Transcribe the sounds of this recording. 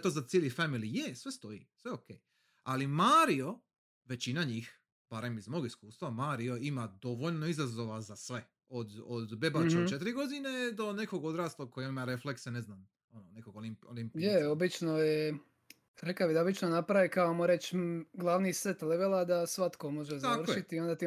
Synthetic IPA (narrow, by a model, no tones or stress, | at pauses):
t̪ozat̪sjelˠifamilijesʋe̞st̪o̞ḭsʋe̞okej | alimaːɾio̞ | ʋe̞t͡ɕinaɲix | b̥aɾe̞mizmoːɡiskuːst̪ʋamaːɾio̞imad̪o̞ʋoʎno̞izazoʋazasʋe̞ | od̪od̪be̞bat͡ʃt͡ʃet̪iɾiɡo̞d̪ined̪o̞ne̞ko̞ɡo̞d̪ɾaːslˠokʰojeonimaɾeflekseneznam | onone̞koɡolimolimpijeobit͡ʃnoje | ɾekabid̪abit͡ʃnonapɾaʋikaomoɾet͡ʃɡlˠaʋnisʋet̪leʋelˠad̪asʋat̪komo̞ʒezarʃit̪iːo̞nd̪at̪i